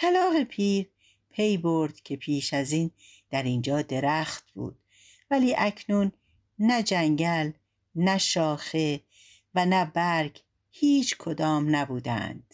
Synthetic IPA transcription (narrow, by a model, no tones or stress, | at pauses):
t̪ʰælɒːɣepʰiːɾ | pʰe̞jboɾd̪̥cʰe̞pʰiːʃæziːn | d̪̥æɾind͡ʒɒːd̪e̞ɾæxt̪̚b̥ṵːd̪̥ | væliːʔæcʰnuːnː | æd͡ʒæŋɟæl | næʃɒːxe̞ | vænæbæɾɡ | hiːt͡ʃʰkʰod̪ɒːmnæbuːd̪æ̰nd̪̥